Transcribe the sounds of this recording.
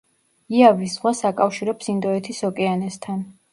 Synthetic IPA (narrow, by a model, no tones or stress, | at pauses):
iavisz̥ʁwasakʼafʃiɾɛpsind̪ɔɛt̪ʰisɔkʼɛanɛst̪ʰan